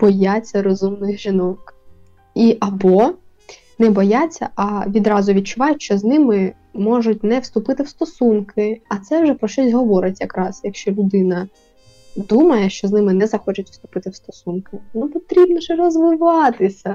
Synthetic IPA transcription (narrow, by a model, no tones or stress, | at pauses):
b̥ɔjat͡sʲːɐɾɔzumnɪɣʒinɔk | iʔɐbɔ | nɛbɔjat͡sʲːɐ̰ʔɐʋʲid̪ɾɑzʊʋʲid̪̚t͡ʃʊʋɑjʊtʲʃt͡ʃɔznɪmɪ | mɔʒʊt̚ʲnɛwst̪ʊpɪt̪ɪwst̪ɔsunkɪɐt̪sɛwʒɛpɾɔʃt͡ʃɔsʲɦɔʋɔɾɪtʲjɐkɾɑsjɐkʃt͡ʃɔlʲʊd̪ɪnɐ | d̪umɐjɛʃt͡ʃɔznɪmɪnɛzɐxɔt͡ʃɪtʲwst̪ʊ̥pɪt̪ɪwst̪ɔsunkɪnɔpɔt̪ɾʲibnɔʒɛrɔzʋɪʋɑt̪ɪsʲɐ